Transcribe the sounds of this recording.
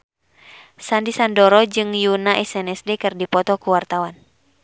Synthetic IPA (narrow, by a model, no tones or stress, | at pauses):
sandisandɔɾɔd͡ʒɨŋjunaʔɛsɛnɛsdɛkɨrdipɔt̪ɔkuwart̪awan